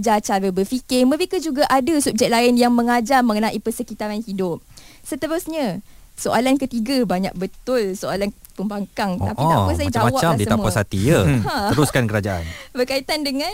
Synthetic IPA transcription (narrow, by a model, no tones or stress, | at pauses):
d͡ʒat͡ʃaɾəbərfikɪməɾekəd͡ʒuɡaʔadasup̚d͡ʒɛk̚laɪnjaŋmə̃ŋad͡ʒarməŋənãʔipəsəkit̪aɾanhidʊp̚sət̪əɾusɲã | soʔalankət̪iɡabaɲa̰k̚bət̪ʊlsoalan | pəmbaŋkaŋapitapəs̬ad͡ʒamawaaditsəamuasat̪ijəhãəɾuskankəɾad͡ʒaʔa̰nbərkait̪andəŋãn